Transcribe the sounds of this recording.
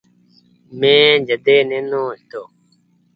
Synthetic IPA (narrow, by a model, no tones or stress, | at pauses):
mẽːd͡ʒəd̪eːnẽnõːst̪o